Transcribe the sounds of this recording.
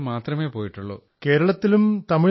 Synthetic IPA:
maːt̪rɐme̞ːpo̞ːjiʈːuɭːo̰ːke̞ːɾɐɭɐt̪ːilumt̪ɐmɪ

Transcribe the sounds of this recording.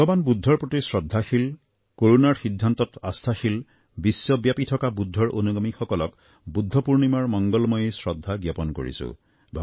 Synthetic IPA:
ɔɡɔbanbudʱːɔɹpɹotisɹɔdʱːaxil | koɹunaɹxidʱːantɔta̰stʰaxil | bisːɔbjapitʰɔkabudʱːɔɹo̰nuɡɔmixɔkɔlɔk | budʱːɔpuɹnimaɹmɔŋɡɔlmɔjesɹɔdʱːaɡjapɔnko̰ɹḭsʊ̰ | bʱɔ

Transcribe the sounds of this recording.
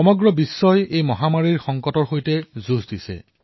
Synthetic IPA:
ɔmɔɡɹɔbisːɔjejmɔɦamaɹiɹxɔŋkɔtɔɹxojtɛzuzdisɛ̰

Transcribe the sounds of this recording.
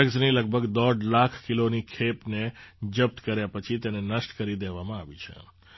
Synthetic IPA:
əkzniləɡ̚bʱəɡd̪ɔɖlakʰkilonikʰepned͡ʒəp̚ʈkəɾjapət͡ʃʰit̪enenəsʈkəɾid̪eʋamãaʋḭt͡ʃʰḛ

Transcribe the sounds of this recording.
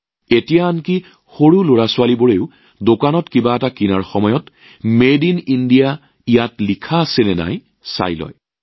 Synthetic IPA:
etijaːnki | xoɹuloɹasʊwaliboɹeʊ | dokanɔtkibaɛtakinaɹxɔmɔjɔt | medinindija | ijatlikʰaːsenɛna̰j | sa̰jlɔ̰j

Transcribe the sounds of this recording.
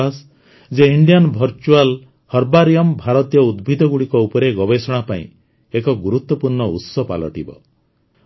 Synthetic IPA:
as | d͡ʒeiɳɖijanbʱɔɾt͡ʃual | hɔɾbaɾijɔmbʱaɾɔt̪ijɔud̪̚bʱid̪ɔɡuɽikɔupɔɾeɡɔbesɔɽ̃apaḭ̃ | ekɔɡuɾut̪wɔpuɾɳɔṵt̪sɔpa̰lɔ̰ʈibɔ̰

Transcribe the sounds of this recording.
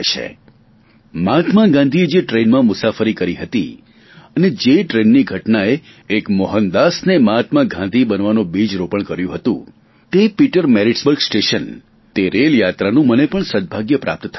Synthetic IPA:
t͡ʃʰḛ | mat̪maɡãnd̪ʱied͡ʒeʈɾenmãmʊsafəɾikəɾiɦət̪i | əned͡ʒeʈɾenːiɡʱəʈnaeː | kmɔɦənd̪asnemat̪maɡʱãnd̪ʱibənʋanũbid͡ʒɾopəɳkəɾjũɦət̪ṵ̃ | t̪epiʈəɾmɛɾiʈsbəɾɡsʈeʃən | t̪eɾeljat̪ɾanũmənepəɳsəd̪̚bʱaɡjəpɾa̰p̚t̪t̪ʰa

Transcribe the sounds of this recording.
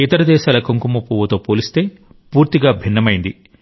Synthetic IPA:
it̪ɐɾɐd̪ɛːʃaːlɐkoŋkumupːuːʋɐt̪o̞ːpoːlist̪e̞ː | puːɾt̪iɡaːbʱinːɐmɐjind̪i

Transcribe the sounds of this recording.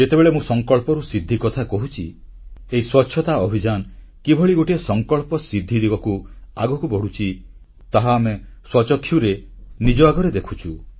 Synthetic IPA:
et̪ebeɭemũsɔŋkɔɭpɔɾusid̪ʱːikɔt̪ʰakɔɦut͡ʃʰi | eiswɔtːʃʰjɔt̪aɔbʱid͡ʒan | kibʱɔɭiɡoʈiesɔŋkɔɭpɔsid̪ʱːid̪ibɔkua̰ɡɔkubɔɽut͡ʃʰi | t̪aɦaːmeswɔt͡ʃɔkʰːjuɾenid͡ʒɔaɡɔɾed̪ekʰut͡ʃʰu

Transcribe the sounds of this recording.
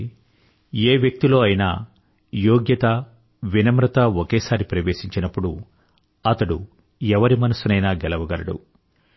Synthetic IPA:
eːʋjɐk̚t̪ilo̞ːɐjina̰ː | joːɡjɐt̪ɐ | ʋinɐmɾɐt̪ɐokeːsaːɾipɾɐʋe̞ːʂiɲt͡ʃinɐpːuɽu | ɐt̪ɐɽṵ | ɛʋɐɾimɐnɐsunɐjnaːɡɛlɐʋɐɡɐɾɐɽṵ

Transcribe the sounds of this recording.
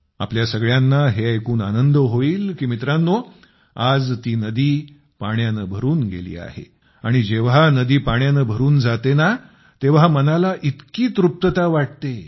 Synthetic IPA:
a̰pljasəɡɭjanːaɦeaekuːna̰nənd̪əɦoiːlkiːmit̪ɾanːo | ad͡zt̪iːnəd̪iː | paɳjanəbʱəɾuːnɡḛlḭːa̰hḛ | aɽ̃id͡ʑeʋɦanəd̪iːpaɳjanəbʱəɾuːnd͡zat̪ena | t̪eʋamənalaʔit̪kiːt̪ɾup̚t̪ət̪aʋaʈ̚t̪e

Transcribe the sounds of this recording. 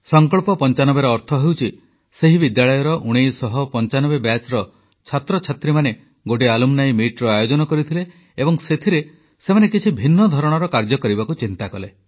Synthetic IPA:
sɔŋkɔɭpɔpɔnt͡ʃanɔbeɾɔːɾt̪ʰɔɦewt͡ʃʰi | seɦibid̪jaɭɔjɔɾɔʔuɽ̃ejsɔɦɔpɔnt͡ʃanɔbebjat͡ʃɾɔ | t͡ʃʰat̪ɾɔt͡ʃʰat̪ɾimane | ɡoʈ̬ialumnajmiʈɾɔajod͡ʒɔnɔkɔɾit̪ʰile | ebɔŋset̪ʰiɾe | semanekit͡ʃʰibʱinːɔd̪ʱɔɾɔɽ̃ɔɾɔkaɾd͡ʒɔkɔɾibakut͡ʃint̪akɔle

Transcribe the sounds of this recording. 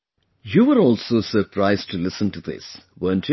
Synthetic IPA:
juːʋəɾɔːlsoːsəɾpʰɾaɪzʈʰulɪsə̃nʈuðɪ̰sʋəːnt

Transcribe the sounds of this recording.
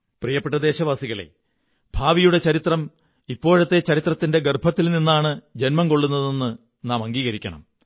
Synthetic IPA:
prijɐpːeʈːɐd̪e̞ːɕɐʋaːsiɣɐɭe̞̰ | bʱaːʋijuɽet͡ɕɐɾit̪rɐm | ipːo̞ːɻɐt̪ːe̞t͡ɕɐɾit̪rɐt̪ːinde̞ɡerbʱɐt̪ːilninːaːɳɨd͡ʑe̞nmɐmko̞ɭːunːɐðenːɨ | naːmɐŋɡiːɣɐɾikʲːɐ̰ɳɐ̰m

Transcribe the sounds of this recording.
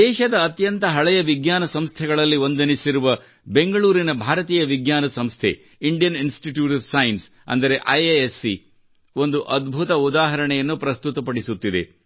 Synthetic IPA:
d̪ɛːʃɐd̪ɐːt̪jɐnt̪ɐɦɐɭɛjɐʋiɡjaːnɐsɐmst̪ʰɛɡɐɭɐlːiʋo̞nd̪ɐnisiɾuʋɐ | be̞ŋɡɐɭuːɾinɐbʱaːɾɐt̪iːjɐʋiɡɲaːnɐsɐmst̪ʰe | iɳɖijɐninsʈiʈjuːʈʋsɐjins | ɐ̰nd̪ɐɾe̞ʔɐjeesːi | o̞nd̪uʔɐd̪bʱut̪ɐud̪aːɦɐɾɐɳɛjɐnːupɾɐst̪ut̪ɐpɐɽisut̪ːid̪e

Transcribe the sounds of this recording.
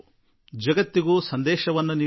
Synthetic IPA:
d͡ʒɐɡɐt̪ːiɡuːsɐnd̪ɛːʃɐʋɐnːuniː

